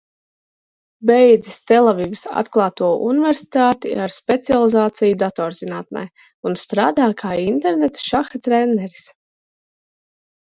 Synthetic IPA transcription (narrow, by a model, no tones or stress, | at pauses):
bɛjd̪zist̪ɛlˠɛvivisa̰t̪klˠɑːt̪uɔʔunivɛɾsi̥t̪aːt̪ḭaɾspʲɛt̪sialˠizaːt̪sijud̪at̪ɔːɾzinaːt̪̚na̰j | unst̪ɾaːd̪aːkʰaːint̪eɾnet̪ʃaxat̪ɾɛnːɛɾi̥s